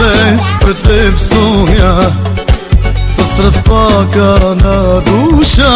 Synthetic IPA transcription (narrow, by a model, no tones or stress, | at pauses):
espɾɪt̪ebsoːja | sɐsɾɐspaːkɐnɐɡ̪uːʃa